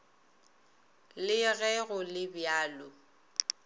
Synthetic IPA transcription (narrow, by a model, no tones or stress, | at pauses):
lɪɣɛɣʊlɪbjaːlʊ